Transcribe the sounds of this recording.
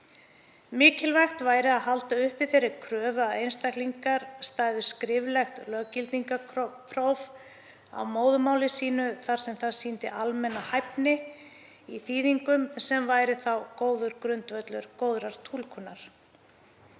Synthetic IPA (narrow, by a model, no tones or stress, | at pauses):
mɪːcɪlvajxt̪vaːjɾɪaðɦalt̪aʏhpvɪθejɾːɪkʰɾœːvaejnst̪ajkliŋkaɾ̥st̪aːjðʏskɾɪvlɛxt̪lœɣcɪlt̪niŋkapʰɾowv | a̰wmoːwðʏmaːwlɪsiːnʏθaɾ̥sɛmθaðsiːnt̪ɪʔalmɛnːahajpnɪ | iθiːðiŋkʏmsɛmvaːjɾɪθawkoːwðʏɾkɾʏnt̪vœt̪lʏɾkoːwðɾaɾ̥t̪ʰuːlkʰʏnːaɾ̥